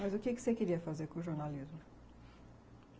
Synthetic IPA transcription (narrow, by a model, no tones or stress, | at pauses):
mɐzʊkɪkɪ̥sekɪɾiɐfazeɾkõʒoɾnalizmʊ